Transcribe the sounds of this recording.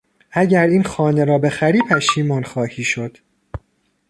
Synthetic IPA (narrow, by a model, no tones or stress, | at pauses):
ʔæɟæɾiːnxɒːne̞ɾɒːbe̞xæɾiːpʰæʃiːmɒːnxɒːhiːʃod̪̥